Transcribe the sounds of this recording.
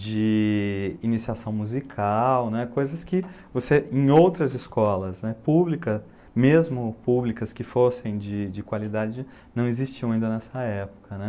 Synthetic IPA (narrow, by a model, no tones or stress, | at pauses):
d͡ʒɪ | inisiasɐ̃w̃muzikʰawnɛkojzɐskɪ | voseẽj̃owt̪ɾɐzɪskɔlɐznɛpublikɐ | mezmʊpublikɐskɪfosẽj̃d͡ʒɪd͡ʒɪkwalid̪ad͡ʒɪ | nɐ̃w̃ezist͡ʃiɐ̃ãĩnd̪ɐnɛsɐɛpʊ̥kɐnɛ